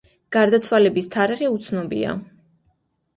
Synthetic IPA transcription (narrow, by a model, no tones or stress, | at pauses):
ɡ̥aɾd̪at̪sʰwalɛbist̪ʰaɾiʁiut̪sʰnɔbḭa̰